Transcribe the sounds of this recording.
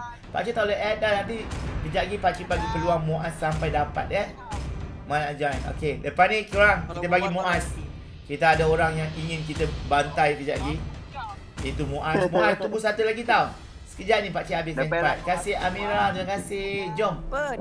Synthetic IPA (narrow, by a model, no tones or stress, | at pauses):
pa̰ʔt͡ʃit̪awləʔɛdanant̪ikəd͡ʒaʔɡipat͡ʃibaɡipəluaŋmoʔasːampajdapa̰t̪̚ə | manad͡ʒano̰keləpanĩkuɾaŋkit̪əbaɡimoʔas | kit̪aadaoɾaŋjaŋiŋɪnk̬it̪əbant̪ajkəd͡ʒa̰ʔɡi | it̪umoʔasmoast̪ubusat̪ulaɡit̪aw | sə̥kəd͡ʒaʔnĩpaʔt͡ʃiabɪsankɾat̪̚kasɪhamiɾat̪ɾiməkasɪhd͡ʒɔm